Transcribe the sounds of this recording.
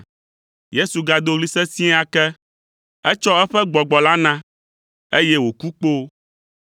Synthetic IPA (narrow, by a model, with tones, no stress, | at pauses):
je˦su˨ɡa˨d̪o˦ɣli˦sɛ˦sĩ˦a˦kɛ˦ | ɛ˦t͡ʃɔ˦ɛ˦ɸɛ˦ɡ͡bɔ˨ɡ͡bɔ˨la˦nã˦ | e˦jɛ˦wo˨ku˦k͡po˦